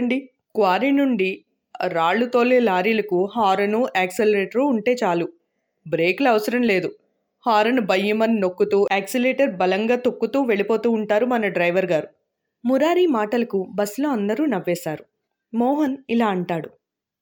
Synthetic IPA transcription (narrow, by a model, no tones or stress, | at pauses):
ɳɖi | kʋaːɾinuɳɖi | ɾaːɭːut̪oːlːelaːɾilɐkuɦaːɾɐnuʔɛːkselɐɾeːʈɐɾuːɳʈe̞ːt͡ʃaːlu | bɾeːklɐɐʋɐsɐɾɐmle̞ːd̪u | haːɾɐnubɐjːumɐnːokːut̪uːʔɛːksileːʈɐɾbɐlɐŋɡaːt̪o̞kːut̪uːʋe̞ɭipo̞ːt̪uːɳʈaːɾumɐnɐɖɾɐjʋɐɾɡaːɾu | muɾaːɾiːmaːʈɐlɐkubɐslo̞ːɐnd̪ɐɾuːnɐʋːɛːsaːɾu | mɔːɦɐnilaːɐɳʈaːɽu